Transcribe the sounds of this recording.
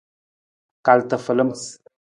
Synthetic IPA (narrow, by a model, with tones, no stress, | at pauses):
ka˨lt̪ə˨fə˨lə˦ms